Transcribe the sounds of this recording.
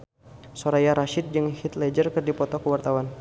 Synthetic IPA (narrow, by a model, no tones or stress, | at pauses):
soɾajaɾaʃɪt̪̚d͡ʒɨŋhit̪lɛd͡ʒərkɨrdipɔt̪ɔkəwart̪awan